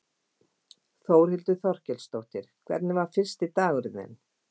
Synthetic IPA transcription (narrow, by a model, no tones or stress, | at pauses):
θoːwɾ̥hɪlt̪ʏθɔr̥cɛlst̪owht̪ɪɾ̥kʰvɛ̰ɾt̪nɪvaɾ̥fɪr̥st̪ɪt̪aːɣʏɾðnɛ̰n